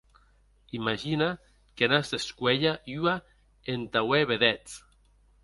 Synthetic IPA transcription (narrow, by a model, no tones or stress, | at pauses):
imaʒina | kenazd̪eskweʎaya | ent̪aweβeðɛt͡s